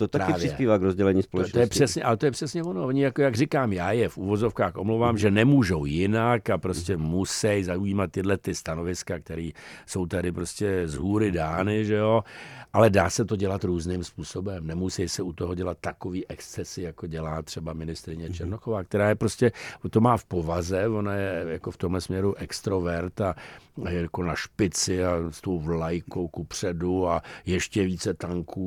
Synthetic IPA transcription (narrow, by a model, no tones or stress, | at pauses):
t̪ot̪aɾaɪːvjɪɛspiːvaːɡɾozɟɛlɛɲiːspolɛt̪ojɛpr̥ɛsɲɛʔalɛt̪ojɛpr̥ɛsɲɛvonooɲɪjakojaɡrɪkaːmjaːjɛfʔuvo̞zo̞fkaːxʔomlowvaːmʒɛnɛmuːʒowjɪnakapɾoscɛmusɛjzaujiːmat̪̚ːɪdlɛt̪t̪ɪst̪ano̞vɪskakt̪ɛɾiːso̞wt̪adɪpɾoscɛzɦuːɾɪdaːnɪʒɛo̞ʔalɛdaːsɛt̪o̞ɟɛlat̪ɾuːznɪmspuːso̞bɛmnɛmusɛjsɛut̪oɦoɟɛlat̪̚ːako̞viːʔɛkst͡sɛsɪjakoɟɛlaːt̪r̝̥ɛbamɪnɪst̪ɾɪɲɛt͡ʃɛɾnoxovaːk̚t̪ɛɾaːjɛpɾoscɛt̪o̞maːfpo̞vazɛvonajɛjakoft̪o̞mɦlɛsmɲɛɾuʔɛkst̪ɾovɛɾt̪ajako̞naʃpɪt͡sɪast̪o̞wvlajkowkupr̝̥ɛduajɛʃcɛviːt͡sɛt̪aŋkʰuː